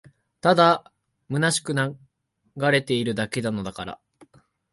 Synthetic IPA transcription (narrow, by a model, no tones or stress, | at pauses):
t̪ad̪a | mɯ̟naɕi̥kɯ̟na | ɡaɾe̞t̪e̞iɾɯ̟d̪ake̞d̪ano̞d̪akaɾa̰